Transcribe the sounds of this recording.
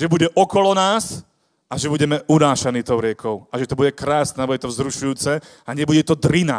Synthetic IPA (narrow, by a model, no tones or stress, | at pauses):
ʒɛbuɟɛʔɔkɔlɔnaːs | aʒɛbuɟɛmɛʔunaːʃaniːt̪ɔʊɾɪɛkʰɔʊaʒɛt̪ɔbuɟɛkɾaːsnɛabuɟɛt̪ɔzɾuʃujuːt͡sɛ | aɲɪɛbuɟɛt̪ɔd̪ɾina̰